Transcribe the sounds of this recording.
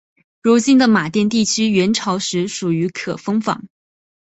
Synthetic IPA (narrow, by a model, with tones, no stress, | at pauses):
ɻu˧˥t͡ɕi˥nd̪ə˨ma˨˩t̪jɛ˥˧nt̪i˥˩t͡ɕʰy˥ɥɛ˧˥nʈ͡ʂʰɑ˧˥ʊʂɻ̩˧˥ʂu˨˩y˧˥kʰɤ˨˩fɤ˥ŋfɑ̰˧˩˥ŋ